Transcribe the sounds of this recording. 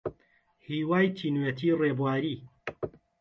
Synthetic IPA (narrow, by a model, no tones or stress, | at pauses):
hiːwaːjt̪ʰiːnwet̪ʰiːreːbwaːɾiː